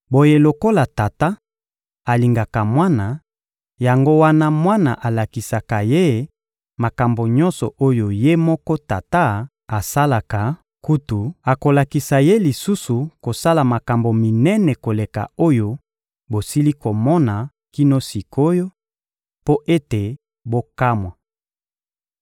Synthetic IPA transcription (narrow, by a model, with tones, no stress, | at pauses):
bo˨je˨lo˨ko˦la˨ta˨ta˦ | a˨li˨ŋɡa˨ka˨mwa˦na˨ | ja˨ŋɡo˦wa˦na˦mwa˦na̰˨ʔa˨la˨ki˨sa˨ka˨je˦ | ma˨ka˨mbo˨ɲɔ˦nsɔ̰˨ʔo˦jo˨je˦mɔ˦kɔ˦ta˨ta˦ | a˨sa˦la˨ka˨ | ku˦tu˨a˨ko˨la˨ki˨sa˨je˦li˨su˦su˨ko˨sa˦la˨ma˨ka˨mbo˨mi˨nɛ˦nɛ˨ko˨le˨ka̰˨o˦jo˦ | bo˨si˦li˦ko˨mɔ˦na˨ | ki˦no˦si˨kʰo˦jo˦ | po˦ʔe˦te˨ | bo˦ka˦mwa˨